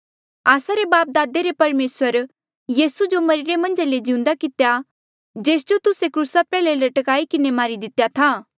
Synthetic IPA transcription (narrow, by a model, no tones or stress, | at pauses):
aːsaɾebaːp̚d̪aːd̪eɾepɐɾmeːswəɾ | jiːsud͡ʒomɐɾɪɾemɐ̃nd͡ʒaled͡ʒɪ̃ʊ̃nd̪akɪt̪eja | d͡ʒeːsd͡ʒot̪ʊsekɾuːsapɛːlelɐʈəkaːikɪnemaːɾid̪ɪt̪ːjat̪ʰaː